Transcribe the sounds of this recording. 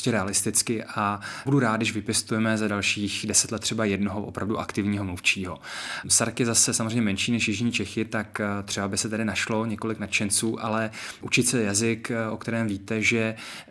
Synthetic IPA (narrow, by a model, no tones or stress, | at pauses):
scɛɾɛalɪst̪ɪt͡skɪʔabuduɾaːt̪dɪʃvɪpjɛst̪ujɛmɛzadalʃiːxdɛsɛt̪lɛt̪ːr̥ɛbajɛdnoɦoʔopɾavduʔa̰kt̪ɪvɲiːɦomluft͡ʃiːɦosaɾkjɛzasɛsamozreɛjɲːɛmɛnʃiːnɛʃjɪʒɲit͡ʃɛxɪt̪akt̪r̥ɛbabɪsɛt̪ɛdɪnaʃlo̞ɲɛkolɪknat̪t͡ʃɛnt͡suːʔalɛʔut͡ʃɪt̪sɛjazɪkʔokt̪ɛɾɛːmviːt̪ɛʒɛ